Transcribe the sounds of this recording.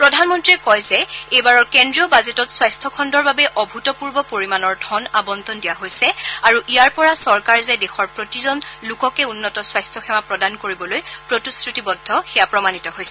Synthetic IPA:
pɹɔdʱanmɔntɹiɛkɔjzɛejbaɹɔɹkendɹiɔbazetɔtswajstʰɔkʰɔndɔɹbabɛʔɔbʱutɔpuɹbɔpoɹimanɔɹdʱɔnabɔnt̪ɔndijaɦojsɛaɹuʔijaɹpɔɹasɔɹkaɹzɛdexɔɹpɹotizɔnlʊkɔkɛunːɔtɔswajstʰɔxʰɛmapɹɔdankoɹibɔlojpɹotiskɹutibɔdʱːɔxɛjapɹɔmanitɔɦojsɛ

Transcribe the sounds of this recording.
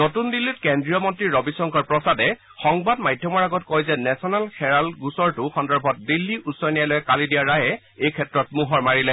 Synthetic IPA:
notundilːitkɛndɹijɔmɔntɹiɹɔbisɔŋkɔɹpɹɔsadɛ | xɔŋbadmajdʱjɔmɔɹaɡɔtkɔjzɛnɛsɔnalxɛɹalɡusɔɹtʊxɔndɔɹbʱɔt̚dilːiʔusɔjnijalojɛkalidijaɹajɛ | ejkʰɛtɹɔtmuɦɔɹmaɹilɛ

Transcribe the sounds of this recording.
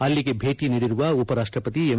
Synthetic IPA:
ɐlːiɡe̞bʱe̞ːʈiniːɽiɾuʋɐupɐɾaːʂʈɾɐpɐt̪iem

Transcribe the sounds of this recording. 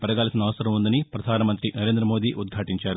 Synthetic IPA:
pɐɾɐɡaːlɐsinɐʋɐsɐɾɐmund̪ɐnipɾɐd̪ʱaːnɐmɐnt̪ɾinɐɾe̞ːnd̪ɾɐmo̞ːd̪iːʔud̪̚ɡʱaːʈiɲt͡ʃaːɾu

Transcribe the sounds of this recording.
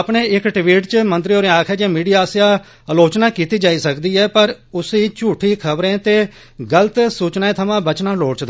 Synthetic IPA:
pɳeːɪkʈʋiːʈt͡ʃəmənt̪ɾiɦoːɾẽːaːkʰɛːd͡ʒeːmiːɖijaːsjaː | əloːt͡ʃnaːkiːt̪iːd͡ʒaːiːsəkd̪iːɛːpəɾʊsiːt͡ʃuːʈʰiːkʰəbɾẽːt̪eː | ɡələt̪suːt͡ʃnaːẽːt̪ʰəmãːbət͡ʃnãːloːɽt͡ʃd̪

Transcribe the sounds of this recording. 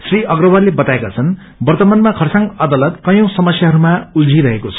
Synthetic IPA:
sriʌɡrʌbʌrlebʌt̪aekat͡sʰʌn | bʌrt̪ʌmanmakʰʌrsãŋɡad̪alʌt̪kʌjõw̃sʌmʌsjaɦʌɾumauld͡zʱiɾʌɦekot͡sʰʌ̥

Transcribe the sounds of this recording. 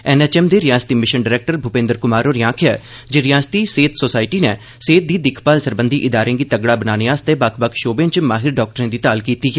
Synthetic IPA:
ɛːnɛːt͡ʃɛːmd̪eːɾɪjaːst̪iːmɪʃənɖɪɾɛːk̚ʈəɾbʱʊpẽːnd̪əɾkʊmaːɾoːɾjãːkʰɛː | d͡ʒeɾɪjaːst̪iːseːt̪soːsaːɪʈiːnɛː | seːt̪̚d̪iːd̪ɪkʰpaːlsəɾbənd̪iːʔɪd̪aːɾẽːɡiːt̪əɡɽaːbənaːneːaːst̪eːbakʰbəkʰʃoːbẽːt͡ʃmaːɦɪɾɖɔːk̚ʈəɾẽːd̪iːt̪aːlkiːt̪iːɦɛː

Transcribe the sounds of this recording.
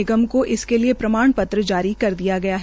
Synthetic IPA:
ɪɡəmkoʔɪskeliepɾɐmaːɳpɐt̪ɾəd͡ʒaːɾikɐɾd̪ijaɡɐjaɦɛ

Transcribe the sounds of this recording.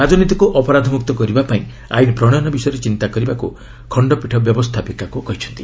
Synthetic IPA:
ɾad͡ʒɔnit̪ikuʔɔpɔɾad̪ʱɔmuk̚t̪ɔkɔɾibapaĩ | a̰jinipɾɔɽ̃anɔbisɔjɔɾet͡ʃint̪akɔɾibakṵ | kʰɔɳɖɔpiʈʰɔbjɔbɔst̪ʰapikakukɔɦit͡ʃʰɔ̥nt̪i

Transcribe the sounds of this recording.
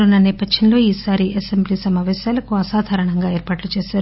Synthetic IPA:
ɾunːɐnɛːpɐd̪ʱjɐnlo̞ːiːsaːɾiʔɐsembliːsɐmaːʋɛːsaːlɐkuɐsaːd̪ʱaːɾɐɳɐŋɡaːeːɾpaːʈlut͡ʃeːʃaːɾu

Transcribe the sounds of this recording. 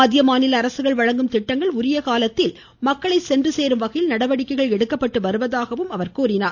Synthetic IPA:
ɐðɪjɐmaːnɪlɐːɾɐsɯɣɐɭʋɐɻɐŋɡɯmt̪ɪʈːɐŋɡɐɭʊɾɪjɐkaːlɐt̪ːɪl | mɐkːɐɭɐɪsɛndrɯseːɾɯmʋɐɣɐjɪlnɐɽɐʋɐɽɪkːɐɪɣɐɭɛɽɯkːɐpːɐʈːɯʋɐɾɯʋɐðaːɣɐʋɯmɐʋɐɾkuːɾɪnaːɾ

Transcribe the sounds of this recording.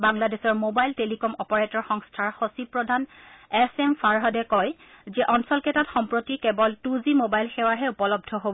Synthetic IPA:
baŋladesɔɹmobajltelikɔmɔpɔɹetɔɹxɔŋstʰaɹxosipɹɔdʱanɛsɛmfʰaɹɦɔdɛkɔj | zɛʔɔnsɔlkɛtatxɔmpɹotikebɔltuzimobajlxɛwaɦɛupɔlɔb̚dʱɔɦobɔ

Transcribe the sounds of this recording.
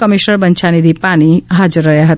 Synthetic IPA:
kʌmisnʌɾbʌnt͡ʃʰanid̪ʱipaniɦad͡ʒurːʌjaɦʌt̪

